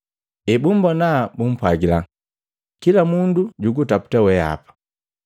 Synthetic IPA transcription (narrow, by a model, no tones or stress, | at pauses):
ɛbum̩bɔnabum̩pwaɡila | kilamunduɟuɡutapu̥tawɛa̰pḁ